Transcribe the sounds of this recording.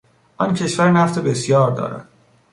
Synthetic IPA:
ʔɒncʰe̞ʃvæɾnæft̪ʰebe̞sjɒːɾd̪ɒ̰ːɾæ̰d̪̥

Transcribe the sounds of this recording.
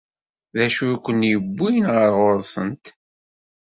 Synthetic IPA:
ðæʃujkʷːənːjəbːijənʁəɾʁoɾˤsˤə̰nt̪

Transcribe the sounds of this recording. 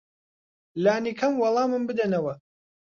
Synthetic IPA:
laːnikʰɐmwɑlˠɑːmɨnbɨd̪ɐnɐwɐ

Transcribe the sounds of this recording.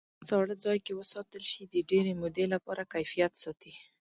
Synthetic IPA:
sɑɽəzɑjkewəsɑt̪əlʃid̪əɖeɾemʊd̪elapɑɾakajfijat̪sɑt̪i

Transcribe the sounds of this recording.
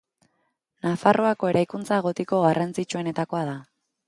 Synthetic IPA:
nafarʔo̞ako̞e̞ɾajkunt͡saeɣ̞o̞t̪eko̞ɣarant͡sit͡ʃue̞ne̞t̪ako̞aða

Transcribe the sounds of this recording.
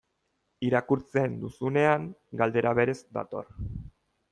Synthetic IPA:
iɾakuɾt͡se̞nd̪usune̞aŋɡald̪e̞ɾaβe̞ɾe̞zd̪a̰t̪o̞̰ɾ

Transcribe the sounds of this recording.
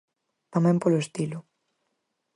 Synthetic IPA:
t̪amɛ̃mpoloest̪ilʊ

